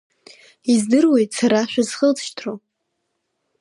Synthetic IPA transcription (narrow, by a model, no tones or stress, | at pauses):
izdɨrwe̞jtʼsaɾaʃᶣaz̥χəlt͡sʰʼʃtʰro